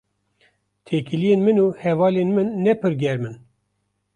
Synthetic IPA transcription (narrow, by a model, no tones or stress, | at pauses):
t̪ʰeːkɨlijeːnmɨnuːhɛvɑːleːnmɨnːɛpʰɨɾɡʲɛɾmɨn